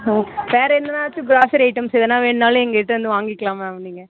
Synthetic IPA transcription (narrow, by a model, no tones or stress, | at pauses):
ɦaːʋeːɾɐɛnːɐnaːʋɐt͡ʃːɯɡɾaːsɐɾɐɪʈːɐmsɛðɐnːaːʋeːɳnaːlɯ̃ɛŋɡɐɪʈːɯʋɐnd̪ɯʋaːŋɡɪkːɐɭaːmɐniːŋɡɐ